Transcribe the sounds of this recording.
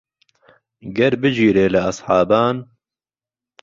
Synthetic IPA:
ɡɐɾbɨd͡ʒiːɾeːlɨɑsˤħɑːbaːn

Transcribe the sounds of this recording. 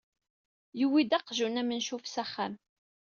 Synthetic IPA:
juwid̪æqʒunæmənʃufsæχːæm

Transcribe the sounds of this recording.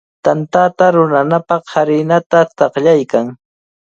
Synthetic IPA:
t̪ant̪at̪aɾʊnanapɑχhaɾɪnat̪at̪ɑqʎajkaŋ

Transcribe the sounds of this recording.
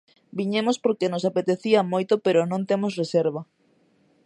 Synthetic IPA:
biɲemospoɾkenosapet̪eθiɐmojt̪opeɾonõŋt̪emosreseɾβɐ

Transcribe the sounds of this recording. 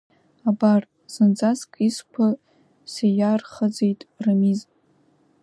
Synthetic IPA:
abar | z̥ɨnd͡zazkʼiskʷʰa | sejarχəd͡zejtʼrɨmiz

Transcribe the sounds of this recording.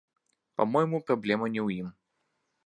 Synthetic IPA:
pamɔjɪmupɾablʲɛmɐnʲɛwjim

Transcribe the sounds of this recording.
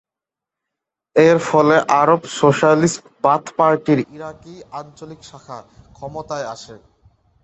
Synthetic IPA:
eɾfɔleʔaɾobsoʃalisʈ | bat̪paɾʈiɾiɾakiant͡ɕolikʃakʰakʰɔmot̪aeaʃʰe

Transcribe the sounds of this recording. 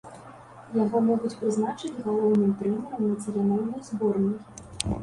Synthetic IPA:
jaɣɔmɔɣut͡sʲpɾɨznat͡ʂɨd͡zʲɣalˠɔwnɨmt̪ɾɛmʲɛɾɐmnɐtʲɛɾʲanɔwnɐjzbɔrnʲi

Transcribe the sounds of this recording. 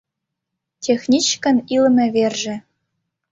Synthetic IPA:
tʲexnʲit͡ɕkɘ̆nilmʲɘ̆βerʒɘ̆

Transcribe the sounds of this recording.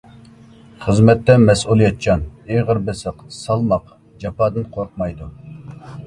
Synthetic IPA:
χəzmɛt̪ːɛmɛsulˠijɛt̪̚t͡ʃɑneʁəɾbɪsəqsɑlˠmɑq | d͡ʒɑpɑːd̪ɨnqʰoɾqmɑjd̪u

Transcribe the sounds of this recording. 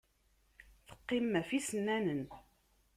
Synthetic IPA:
θə̥qːɪmːæfisənːænən

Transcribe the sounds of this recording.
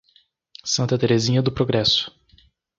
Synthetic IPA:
sɐ̃nt̪ɐt̪eɾezĩɲɐd̪ʊpɾoɡɾɛsʊ̥

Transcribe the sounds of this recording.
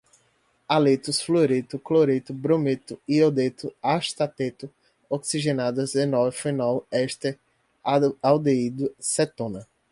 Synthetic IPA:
alet̪ʊsfloɾet̪ʊkloɾet̪ʊbɾõmet̪ʊiod̪et̪ʊaʃt̪at̪et̪ʊ | oksiʒẽnad̪ɐzd̪ẽnɔvɐfẽnɔwɛʃt̪e | awd̪eid̪ʊsɛt̪õnɐ

